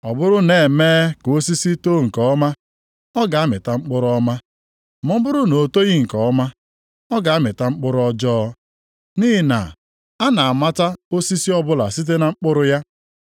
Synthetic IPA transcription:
ɔ˨bʊ˦ɾʊ˦ne˨e˨meː˦ko˦si˦si˦to˦ŋ̩˨kɔ˦ɔ˦ma˦ | ɔ˦ɡa˨a˦mɪ˨ta˦ŋ͡m̩˦k͡pʊ˦ɾʊ˦ɔ˦ma˦ | mʊ˦m̩˦bʊ˦ɾʊ˦no˨to˦ɣi˦ŋ̩˨kɔ˨ɔ˦ma˦ | ɔ˦ɡa˨a˦mɪ˨ta˦ŋ͡m̩˦k͡pʊ˦ɾʊ˦ɔ˦d͡ʒɔː˦ | ni˦ɦi˨na̰˨ | a˦na˨a˨ma˦ta˦o˦si˦si˦ɔ˦bʊ˦la̰˨si˦t̬e˦na˨ŋ͡m̩˦k͡pʊ˦ɾʊ˦ja˦

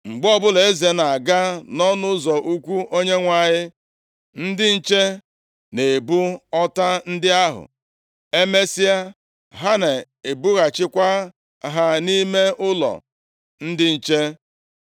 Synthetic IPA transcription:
ŋ͡m̩˨ɡ͡bɔ˦bʊ˦le˨e˦ze˨na˨a˨ɡa˦nɔ˦nʊ˦zɔ˨ʔu˦kʷu˦o˦ɲe˦ŋʷa˨ɲɪ˦ | n̩˦dɪ˦n̩˦t͡ʃe˦ | ne˨bu˦ɔ˦ta˦n̩˦dɪ˦a˦ɦʊ̰˨ | e˦me˦si˦a˦ | ɦa˦na˨ | e˨bu˦ɣa˨t͡ʃɪ˦kʷa˦ | ɦa˦ni˦me˦ʔʊ˦lɔ̰˨ | n̩˦dɪ˦n̩˨t͡ʃe˦

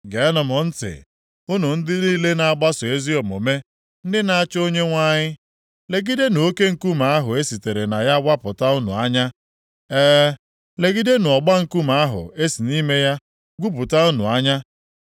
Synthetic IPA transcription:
ɡe˨˦nɔ˨mɔ˨n̩˦tɪ̰˨ | ʊ˦nʊ˨n̩˦dɪ˦ni˦le˦na˨a˦˨ɡ͡ba˦sʊ˨e˦zi˦ɔ˨mo˨me˦ | n̩˦dɪ˦na˦a˦t͡ʃo˦ɲe˦ŋʷa˦ɲɪ˦ | le˨ɡi˦de˦nʊ˨o˦ke˦ŋ̩˨ku˦ma˨˦a˦ɦʊ̰˨e˦si˨te˨ɾe˨na˨ja˦ɡʷa˦pʊ˨ta˦ʊ˦nṵ˨a˦ɲa˦ | ɛː˦ | le˨ɡi˦de˦nʊ˨ɔ˨ɡ͡ba˦ŋ̩˦˨ku˦ma˦ɦʊ̰˨e˦si˨ni˦me˦ja˦ | ɡʷu˦pʊ˨ta˦u˦nṵ˨a˦ɲa˦

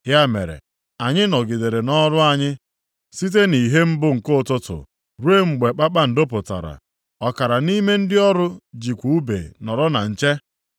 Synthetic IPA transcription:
ja˦mḛ˨ɾḛ˨ | a˨ɲɪ˦nɔ˨ɡi˨de˨ɾe˨nɔ˦ɾʊ˦a˨ɲɪ˦ | si˦t̬e˦ni˨ɦe˦m̩˦bʊ˦ŋ̩˨ko˦˨tʊ˦tʊ̰˨ | ɾu˦e˦ŋ͡m̩˨ɡ͡be˨k͡pa˦k͡pa˦n̩˨do˦p̬ʊ˨ta̰˨ɾa̰˨ | ɔ˨ka˨ɾa˨ni˦me˦n̩˦dɪ˦ɔ˦ɾʊ˦d͡ʒi˨kʷu˨u˦bḛ˨nɔ˨ɾɔ˦na̰˨n̩˨t͡ʃe˦

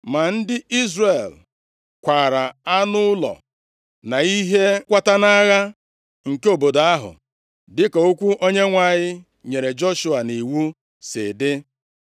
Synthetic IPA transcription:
ma˨n̩˦dɪ˦i˦zre˨l | kʷa˨ɾa˨a˦nʊ˦ʊ˦lɔ̰˨ | na˨i˦ɦe˦kʷa˦ta˦na˦ɣa˦ | ŋ̩˨ke˦o˨bo˨da˦ɦʊ̰˨ | dɪ˦ka˨o˦kʷu˦ʔo˦ɲe˦ŋʷa˦˨ɲɪ˦ | ɲe˨ɾe˨d͡ʒo˦ʃʊ˦a˨ni˨wu˦ | sɪ̰˨dɪ˦

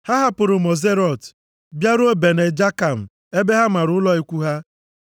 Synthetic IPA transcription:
ha˦ɦa˦pʊ˨ɾʊ˨mo˨ze˦ɾɔ˨t | bja˦ɾʊ˦o˦be˨ne˨d͡ʒa˦ka˨m̩˨ | e˦be˦ɦa˦m̩a˨ɾʊ˨˦ʊ˦lɔ˦i˦kʷu˦ɦa˦

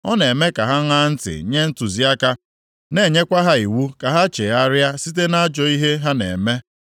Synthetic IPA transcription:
ɔ˦ne˨me˦ka˨ɦa˦ŋa˦n̩˦tɪ̰˨ɲe˦n̩˦tʊ˨zi˦a˦ka˦ | ne˨˦˨ɲe˦kʷa˦ɦa˦i˨wu˦ka˨ɦa˦t͡ʃe˨a˦ɾja˦si˦t̬e˦na˦d͡ʒɔ˨i˦ɦe˦ɦa˦nḛ˨me˦

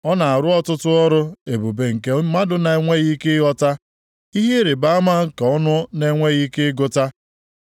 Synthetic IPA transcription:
ɔ˦na˨a˨ɾʊ˦ɔ˦tʊ˦tʊ˦ɔ˦ɾʊ˦e˨bu˨be˨ŋ̩˨ke˨˦ma˦dʊ˨na˨e˨˦ŋʷe˦ɣi˦ke˦ɣɔ˦ta˦ | i˦ɦe˦ɾe˨ba˦a˦ma˦ŋ̩˦ka˨ɔ˦nʊ˦ne˨˦ŋʷe˦ɣi˦ke˦ɡʊ˦ta˦

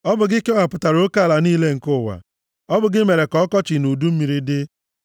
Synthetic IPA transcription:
ɔ˦bʊ˨ɡɪ˦kɔ˦ɦa˨pʊ˨ta˨ɾo˦ka˦˨la˨niː˦le˦ŋ̩˨kʊ˦˨wa̰˨ | ɔ˦bʊ˨ɡɪ˦me˨ɾe˨kɔ˦kɔ˦t͡ʃɪ˨nu˨du˦m̩˦mi˨ɾi˦dɪ˦

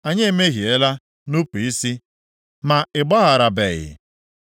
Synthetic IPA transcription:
a˨ɲe˦e˨me˦ɦi˨e˨la˦ | nu˦pi˨i˦si˦ | ma˨ɪ˨ɡ͡bɔ˦ɣa˨ɾa˨bḛ˨ɣɪ̰˨

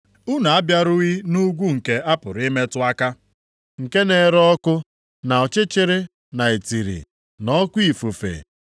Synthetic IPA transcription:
ʊ˦na˨a˦bja˦ɾʊ˦ɣi˦nu˦ɡʷu˦ŋ̩˨ke˦a˦pʊ˨ɾɪ˦me˦tʊ˦a˦ka˦ | ŋ̩˨ke˦ne˨˦ɾɔ˦kʊ˦ | na˨ɔ˨t͡ʃɪ˦t͡ʃɪ˦ɾɪ˦ | na˨e˨ti˨ɾḭ˨ | nɔ˦kʷi˦˨fu˨fḛ˨

